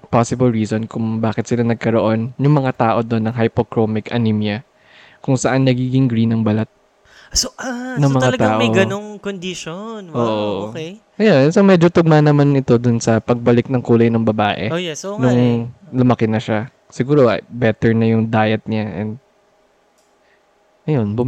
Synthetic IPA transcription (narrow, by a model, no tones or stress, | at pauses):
pasɪbɐlɹiːsonkʊŋbaːkɪt̪sɪlanɐɡ̚kɐɾo̞ʔo̞njʊŋmɐŋat̪aːʔo̞d̪o̞nːɐŋɦɐjpokɾomɪkɐ̰nimjɐ | kʊŋsɐʔanːɐɡiːɡɪŋɡɾinːɐŋbɐlat̪̚ | soʔanɐŋmɐŋalɐɡ̪t̪aːʔmɐjɡɐnoŋkond̪ɪʃonʔoːʔookej | ʔɐjonsomɛd͡ʒot̪ʊɡ̚manɐmanɪt̪o̞d̪ʊnsɐpɐɡ̚bɐlɪk̚nɐŋkuːlɐjnɐŋbɐbaːʔɛ̰jɛonʊŋlʊmɐkɛnɐʃa | sɪɡuːɾo̞ʔbɛt̪ɛɹnɐjʊŋd̪aːjɛt̪̚ɲaʔɛnd̪̚ | ʔɐjo̞nbʊm